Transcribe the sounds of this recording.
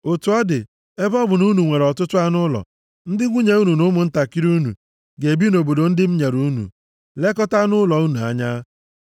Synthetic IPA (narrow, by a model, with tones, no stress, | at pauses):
o˨tu˨ɔ˦dɪ˨ | e˦bɔ˦bʊ˨nu˦nu˨ŋʷe˨ɾɔ˨tʊ˦tʊ˦a˦nʊ˦lɔ̰˨ | n̩˦dɪ˦ɡʷu˦ɲe˨u˦nu˨nʊ˦mʊ˨n̩˦ta˨ki˦ɾu˦nṵ˨ | ɡe˨bi˦no˨bo˨do˨n̩˦dɪ˦m̩˦ɲe˨ɾu˦nṵ˨ | le˦kɔ˦ta˦nʊ˦lɔ˨u˦nu˨a̰˨ɲa˦